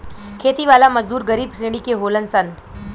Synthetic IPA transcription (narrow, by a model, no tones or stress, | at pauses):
kʰeːt̪iʋaːlamɐd͡ʒd̪uːɾɡɐɾiːbseːɽ̃ikeɦoːlənsən